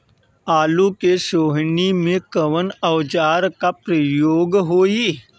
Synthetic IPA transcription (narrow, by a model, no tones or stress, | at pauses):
aːlukeʃoːɦnimẽkəʋənəwd͡ʒaːɾkapɾəjoːɡɦoːi